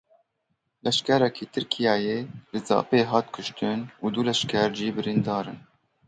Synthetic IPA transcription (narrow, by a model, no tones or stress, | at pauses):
lɛʃkɛɾɛkʰiːt̪ʰɨɾkʰijɑːjeːlɨzɑ̰ːpeːɦɑːt̪kʰʊʃt̪ɨnuːd̪ulɛʃkʰɛɾd͡ʒiːbɨɾind̪ɑːɾɨn